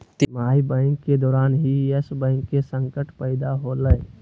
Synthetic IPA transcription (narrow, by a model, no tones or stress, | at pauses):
t̪maːibə̃ɪŋkːed̪ɔːɾaːnɦiəsbə̃ɪŋkːesə̃ŋkəʈpəɪd̪aɦoləj